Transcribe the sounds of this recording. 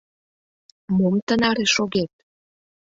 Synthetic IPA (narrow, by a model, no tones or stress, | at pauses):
momt̪ənɑɾeʃoɣet̪̚